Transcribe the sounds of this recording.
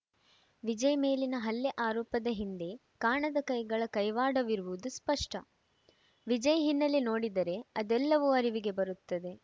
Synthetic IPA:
ʋid͡ʒɐjɐme̞ːlinɐɦɐlːeʔaːɾɔːpɐd̪ɐɦind̪e̞ | kaːɳɐd̪ɐkɐjɡɐɭɐkɐjʋaːɽɐʋiɾuʋuud̪uspɐʂʈɐ | ʋid͡ʒɐjɐɦinːɐlːino̞ːɽid̪ɐɾe̞ɐd̪ɛlːɐʋuɐɾiʋiɡe̞bɐɾut̪ːɐd̪e̞

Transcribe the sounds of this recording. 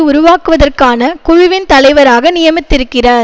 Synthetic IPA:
ɯʊɾʊʋaːkɯʋɐðɐrkaːnɐkʊɻʊʋɪnt̪ɐlɐɪʋɐɾaːɣɐnɪjɐmɪt̪ːɪɾɯkːɪraɾ

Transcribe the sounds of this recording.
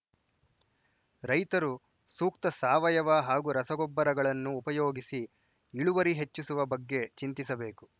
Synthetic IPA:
ɾɐjt̪ɐɾu | suːk̚t̪ɐsaːʋɐjɐʋaɦaːɡuɾɐsɐɡɔbːɐɾɐɡɐɭɐnːuːpɐjoːɡisi | iɭuʋɐɾiɦe̞t͡ʃːusuʋɐbɐɡːe̞t͡ʃint̪isɐbe̞ːku

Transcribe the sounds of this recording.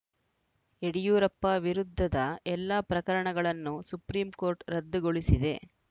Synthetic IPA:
eɽijuːɾɐpːɐʋiɾud̪ʱːɐd̪ɐɛlːaːpɾɐkɐɾɐɳɐɡɐɭɐnːusupɾiːmko̞ːɾʈɾɐd̪ːɐɡo̞ɭisid̪e̞̰

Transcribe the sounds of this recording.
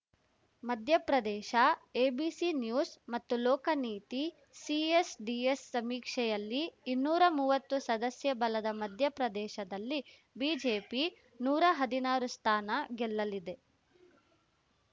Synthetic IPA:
mɐd̪ʱjɐpɾɐd̪ɛːʃɐeːbiːsinjuːsmɐt̪ːulɔːkɐniːt̪i | siesɖiesːɐmiːkʂɛjɐlːiːnːuːɾɐmuːʋɐt̪ːusɐd̪ɐsjɐbɐlɐd̪ɐmɐd̪ʱjɐpɾɐd̪ɛːʃɐd̪ɐlːi | biːd͡ʒeːpi | nuːɾɐɦɐd̪inaːɾust̪ʰaːnɐɡɛlːɐlid̪e̞

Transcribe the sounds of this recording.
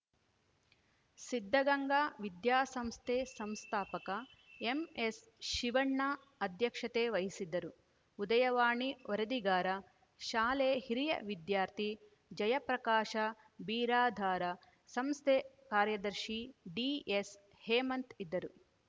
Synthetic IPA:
sid̪ʱːɐɡɐŋɡaːʋid̪jaːsɐmst̪ʰeːsɐmst̪ʰaːpɐkɐ | emes | ʃiʋɐɳːaː | ɐd̪jɐkʂɐt̪eːʋɐɦisid̪ːɐɾu | ud̪ɐjɐʋaːɳiɔɾɐd̪iɡaːɾɐ | ʃaːleːhiɾijɐ̰ʋid̪jaːɾt̪ʰi | d͡ʒɐjɐpɾɐkaːʃɐ | biːɾaːd̪ʱaːɾɐ | sɐmst̪ʰeː | kaːɾjɐd̪ɐɾʃiɖiːes | heːmɐnt̪id̪ːɐɾu

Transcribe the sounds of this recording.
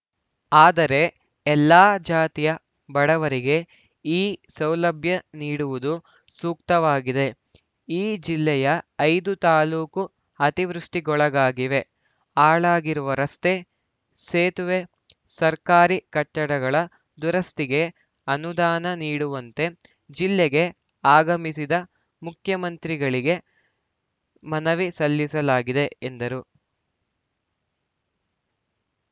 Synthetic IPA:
aːd̪ɐɾe̞ | ɛlːaːd͡ʒaːt̪ijɐ | bɐɽɐʋɐɾiɡe̞ | iːsɐwlɐbʱjɐniːɽuʋud̪u | suːkt̪ɐʋaːɡid̪e̞ | iːd͡ʒilːɛjɐɐjd̪ut̪aːluːku | ɐt̪iʋɾuʂʈiɡɔɭɐɡaːɡiʋe̞ | aːɭaːɡiɾuʋɐɾɐst̪e̞ | seːt̪uʋe̞ | sɐɾkaːɾikɐʈːɐɽɐɡɐɭɐ | d̪uɾɐst̪iɡe̞ | ɐnud̪aːnɐniːɽuʋɐnt̪e̞ | d͡ʒilːeɡe̞ | aːɡɐmisid̪ɐ | mukʰjɐmɐnt̪ɾiɡɐɭiɡe̞ | mɐnɐʋisɐlːisɐlaːɡid̪e̞end̪ɐɾu

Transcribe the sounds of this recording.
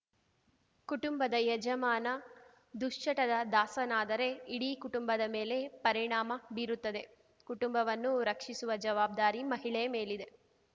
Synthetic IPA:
kuʈumbɐd̪ɐjɛd͡ʒɐmaːnɐ | d̪uʂt͡ʃɐʈɐd̪ɐd̪aːsɐnaːd̪ɐɾe̞iɽikuʈumbɐd̪ɐme̞ːle̞pɐɾiɳaːmɐbiɾut̪ːɐd̪e̞ | kuʈumbɐʋɐnːuɾɐkʂisuʋɐd͡ʒɐʋaːb̚d̪aːɾimɐɦiɭɛjɐme̞ːlid̪e̞

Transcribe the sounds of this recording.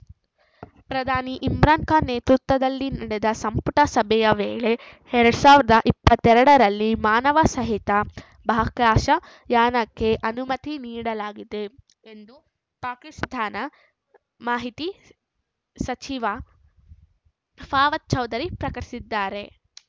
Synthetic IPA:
pɾɐd̪ʱaːniʔimɾaːŋkaneːt̪ɾut̪ʋɐd̪ɐlːinɐɽed̪ɐsɐmpuʈɐsɐbʱɛjɐʋeːɭe̞ | ɛɾɐɽusaːʋɾɐd̪ɐʔipːɐt̪ːɛɾɐɽɐɾɐlːimaːnɐʋɐsɐɦit̪ɐ | bʱaːɐklaːʃɐ | jaːnɐkːe̞ʔɐnumɐt̪iniːɽɐlaːɡid̪e̞ | end̪u | paːkist̪ʰaːnɐ | maːɦit̪i | sɐt͡ʃiʋɐ | pʰaːʋɐt̪̚t͡ʃɐwd̪ɐɾipɾɐkɐɾisid̪ːaːɾe̞

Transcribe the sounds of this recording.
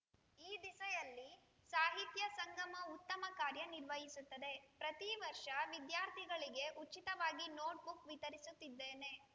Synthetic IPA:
iːd̪isɐjɐlːi | saːɦit̪jɐsɐŋɡɐmɐut̪ːɐmɐkaːɾjɐniɾʋɐɦisut̪ːɐd̪e̞pɾɐt̪iʋɐɾʂɐʋid̪jaːɾt̪ʰiɡɐɭiɡe̞ʔut͡ʃit̪ɐʋaːɡinoːʈ̚bukʋit̪ɐɾisut̪ːid̪ːeːne̞

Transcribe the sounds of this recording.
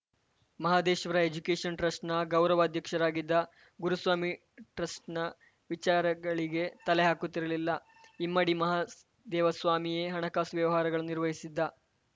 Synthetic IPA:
mɐɦaːd̪eːʃɐʋɐɾɐed͡ʒukeːʂɐnʈɾɐsʈnɐɡɐwɾɐʋaːd̪ʱjɐkʂɐɾaːɡid̪ːɐ | ɡuɾusʋaːmi | ʈɾɐsʈnɐ | ʋit͡ʃaːɾɐɡɐɭiɡe̞t̪ɐleɦaːkut̪ːiɾɐlilːɐ | imːɐɽimɐɦaː | d̪ɛːʋɐsʋaːmijeɦɐɳɐkaːsʋjɐʋɐɦaːɾɐɡɐɭuniɾʋɐɦisid̪ːɐ

